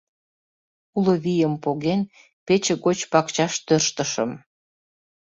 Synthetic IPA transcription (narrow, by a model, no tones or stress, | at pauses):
uləβijəmpoɣen | pet͡ɕəɣot͡ɕpɑkt͡ɕɑʃt̪ørʃt̪əʃəm